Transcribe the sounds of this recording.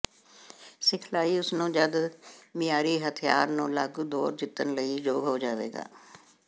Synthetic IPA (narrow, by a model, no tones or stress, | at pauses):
sɪkʰlaːiːʊsnõːd͡ʒəd̪mɪjaːɾiːɦət̪ʰɪja̰ːɾnũːlaːɡd̪ɔːɾd͡ʒɪt̪ːənləiːd͡ʒoːɡɦoːd͡ʒaːʋḛːɡa̰ː